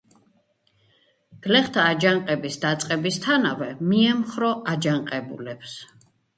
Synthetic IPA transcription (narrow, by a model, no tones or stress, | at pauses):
ɡ̥lɛχt̪ʰaːd͡ʒaŋqʼɛbisd̪at̪sʼqʼɛbist̪ʰanavɛmiɛmχɾɔʔad͡ʒaŋqʼɛbṵlɛps